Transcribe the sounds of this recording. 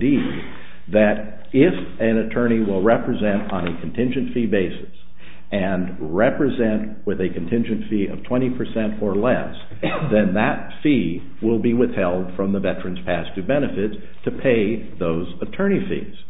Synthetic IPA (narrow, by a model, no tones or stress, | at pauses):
di | ðɨɾ | ɪf | ɨ̃nɨtʰɜ̃˞ɾ̃iwɪlˠɹɛpɹɨzɛ̃ntn̩ɨkʰn̩tʰɪ̃nd͡ʒɨ̃ntfibeɪsɨ̥s | ɨ̃n | ɹɛpɹɨzɛ̃nʔ | wɪðɨkʰɨ̃n̩tʰɪ̃nd͡ʒɨ̃ntfiʔʌ̰v̥tʰw̥ɛ̃ɾ̃ipʰə˞sɛ̃ntə˞lɛ̰s | ðɨ̃nðɨt̚fi | wɪlˠbiwɪθhɛlˠd̥fɹʌ̃mðəvɛt͡ʃɹ̥ɨ̃nz̥pʰæstʰɨbɛnɨfɪt | tʰɨpʰeɪ | ðoʊzətʰɜ̃˞ɾ̃ifḭz̥